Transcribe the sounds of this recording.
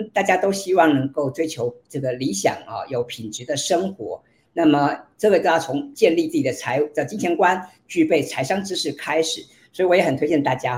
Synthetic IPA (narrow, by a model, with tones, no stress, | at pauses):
t̪a˥˩t͡ɕja˥t̪o˥ʊɕi˥wɑ˥˩ŋnɤ˧˥ŋko˥˩ʊt͡swe˥ɪt͡ɕʰjo˧˥ʊʈ͡ʂɤ˥˩ɡə˩li˧˥ɕjɑ̰˨˩ŋɐ̰˧jo˧˩ʊpʰi˨˩nʈ͡ʂɻ̩˧˥d̪ə˧ʂɤ˥ŋxwɔ̰˧˥ | na˥˩mə˩ʈ͡ʂɤ˥˧we˥˩t̪̩˥˩a˥˩t͡sʰʊ˧˥ŋt͡ɕjɛ˥˧nli˥˧t͡sɹ̩˥˩t͡ɕi˨˩d̪ə˦t͡sʰa˧˥ɪə˧˩t͡ɕi˥nt͡ɕʰjɛ˧˥nkwa˥n | t͡ɕy˥˧pe˥˩ɪt͡sʰa˧˥ɪʂɑ˥ŋʈ͡ʂɻ̩˥ʂɻ̩˥˩kʰa˥ɪʂɻ̩˨˩˦ | swɔ˧˥i˨˩wɔ˧˥jɛ˧˥xə˨˩t̪ʰwe˥ɪt͡ɕjɛ˥˧nt̪a˥˩t͡ɕja˥